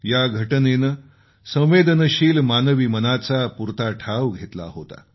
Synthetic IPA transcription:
jaɡʱəʈnenə | sə̃w̃ʋed̪nəɕiːlmanəʋimənat͡sapuɾt̪aʈʰaʋɡʱet̪la̰ɦot̪a̰

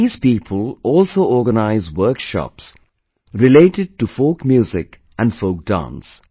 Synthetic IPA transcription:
iːz̥piːpʰəlɔːlsoːɔːɡənaɪzwəɾkʃɔ̰ps | ɾɪleːʈɪɖ̚ʈufoːkmjuːzɪk | ʔæ̃nɖfoːk̚ɖ̥ã̰ns

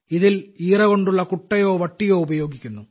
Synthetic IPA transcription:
iðiliːrɐɣo̞ɳɖuɭːɐkuʈːɐjo̞ːʋɐʈːijo̞ːubɐjo̞ːɡikʲːunːu

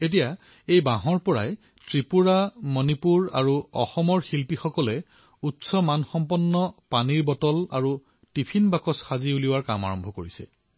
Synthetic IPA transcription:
et̬ija | ejbaɦɔɹpɔɹaj | tɹipuɹamɔnipuɹa̰ɹuɔ̰xɔmɔɹxilpixɔkɔlɛ | utsɔmanxɔmpɔnːɔpaniɹbɔtɔla̰ɹu | tipʰinbakɔsxaziuliwaɹkama̰ɹɔmbʱɔkoɹisɛ̰

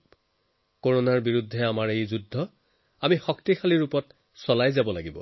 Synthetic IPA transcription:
koɹonaɹbiɹudʱːɛamaɹejzudʱːɔ | amixɔktixʰaliɹupɔt | sɔlajzabɔlaɡibɔ̰

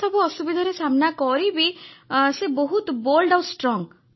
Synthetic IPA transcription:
ɔbɔɔsubid̪ʱɔɾesamnakɔɾibisebɔɦut̪bolɖawsʈɾɔŋ

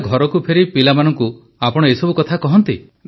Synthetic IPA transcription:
ɡʱɔɾɔkupʰeɾipilamanɔŋku | apɔɽ̃ɔejsɔbukɔt̪ʰakɔɦɔnt̪i

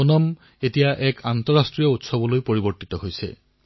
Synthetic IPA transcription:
onɔm | etijaʔɛkʰantɔɹastɹijɔutsɔbɔlojpoɹiboɹtitɔɦojsɛ̰

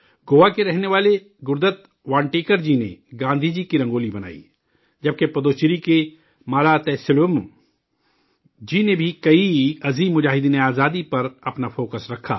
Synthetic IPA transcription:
ɡoːʋakeɾɛɦneʋaːle | ɡʊɾd̪ət̪ | ʋãːɳʈeːkəɾd͡ʒinḛɡãːnd̪ʱid͡ʒikiɾɐ̃ŋɡoːlibɐna̰ːḭ | d͡ʒɐb̚kepɐd̪oːt͡ʃɾike | maːlat̪ɛːsɪlʊm | d͡ʒinebʱikɐiɐziːmːʊd͡ʒaːɦɪd̪ineaːzaːd̪ipɐɾɐpnafʰoːkəsɾɐkʰːa̰ː

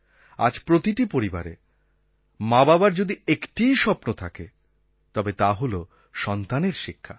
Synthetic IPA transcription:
a̰d͡ʑpɾot̪iʈipoɾiba̰ɾḛ | mababaɾd͡ʑod̪iekʈijʃɔpnot̪ʰake | t̪ɔbet̪aɦolo | ʃɔnt̪aneɾʃikʰːa

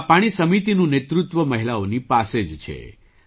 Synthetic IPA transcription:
paɽ̃isəmit̪inũnet̪ɾut̪ʋəməɦilaonipased͡ʒt͡ʃʰḛ

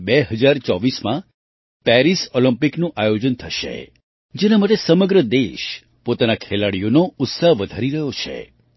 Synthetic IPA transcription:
beɦəd͡ʒaɾt͡ʃɔʋismã | pɛɾisoləmpiknũʔajod͡ʒənt̪ʰəʃḛ | d͡ʒenamaʈ̬esəməɡɾəd̪eʃ | pot̪anakʰelaɽijonoʊt̪saɦʋəd̪ʱaɾiɾəɦjot͡ʃʰḛ

